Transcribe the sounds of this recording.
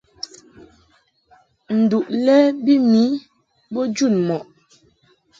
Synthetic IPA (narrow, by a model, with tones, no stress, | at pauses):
n̩˨du˨ʔlɛ˦bi˦mi˨˦ | bɔ˦d͡ʒu˦˨nmɔ˨ʔ